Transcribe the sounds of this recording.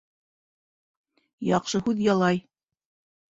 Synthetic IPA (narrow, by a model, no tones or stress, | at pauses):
jɑqʃɤhʉðjɑlˠɑj